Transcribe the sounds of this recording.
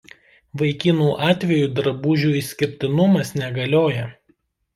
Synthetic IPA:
ʋɐɪkʲɪnuːʔɑːt̪ʲʋʲɛjuːˑd̪ɾɐbuːʒʲuːisʲkʲɪɾʲt̪ʲɪnʊmɐsnʲɛɡɐlʲoːjɛ

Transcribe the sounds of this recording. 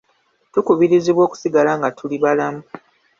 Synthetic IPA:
tukuβiɾiziβwo̞ːku̥siɡalaŋɡatʰuliβalamu

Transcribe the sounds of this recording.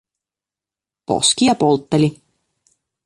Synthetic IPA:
po̞̰skijɑpolt̪ːelʲi

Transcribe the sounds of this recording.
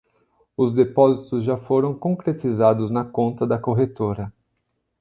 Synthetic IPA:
ʊzd̪epɔzit̪ʊzʒafoɾɐ̃w̃kõŋkɾet̪izad̪ʊznɐkõnt̪ɐd̪ɐkoɦet̪oɾɐ

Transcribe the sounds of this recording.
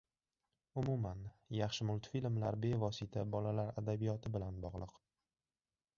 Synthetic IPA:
ʊmumanjɑχʃɪmʊlˠt̪filmlaɾbe̞vɒsit̪ʰabɒlalaɾad̪abijɒt̪ʰɪbɪlanbɒʁlˠɨq

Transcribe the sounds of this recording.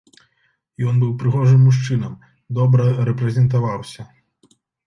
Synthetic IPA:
jɔnbɨwpɾɨɣɔʐɨmːuʂ̬t͡ʂɨnɐm | d̪ɔbɾɐɾɛpɾɛzʲɛnt̪̬avawsʲɐ

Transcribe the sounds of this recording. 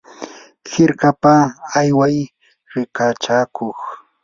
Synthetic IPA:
hɪɾkapaajwaj | ɾɪkat͡ʃaːkoχ

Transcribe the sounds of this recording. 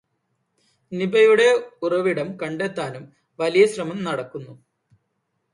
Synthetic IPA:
nibɐjuɽe̞urɐʋiɽɐmkɐɳɖet̪ːaːnum | ʋɐlijɐɕrɐmɐmnɐɽɐkːunːu

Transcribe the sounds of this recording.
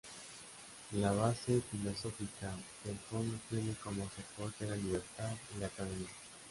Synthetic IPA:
laβ̞asefilo̞so̞fikadelfond̪ot̪je̞nekomosepoɾt̪elaliβ̞eɾt̪aðilakaðemisa

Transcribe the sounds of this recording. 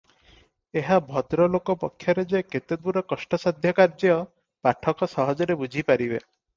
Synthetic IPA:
eɦabʱɔd̪ɾɔlokɔpɔkʰːjɔɾed͡ʒeket̪ed̪uɾɔkɔsʈɔsɔd̪ʱjɔkaɾd͡ʒɔɔ | paʈʰɔkɔsɔɦɔd͡ʒɔɾebud͡ʒʱipaɾibe

